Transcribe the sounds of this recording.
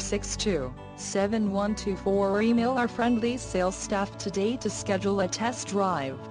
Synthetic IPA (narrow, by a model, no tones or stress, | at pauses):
sɪkstʰʉ | sɛvɨ̃nwʌ̃ntʰʉfɔɹimeɪlˠə˞fɹɛ̃ndˡliseɪlˠstæftʰɨdeɪɾɨskɛd͡ʒl̩ˠətʰɛsd̥ɹaɪv̥